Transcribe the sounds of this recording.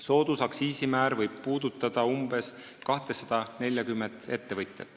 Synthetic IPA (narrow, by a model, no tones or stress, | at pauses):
so̞ːd̪̥usɑksiːsimæːɾvɤjb̥̚puːd̪̥ut̪ːˑɑd̪̥ɑumb̥e̞s | kɑht̪esɑd̪̥ɑne̞lʲjɑkymːend̪̥e̞t̪ːe̞vɤjt̪ʲjet̪ːˑ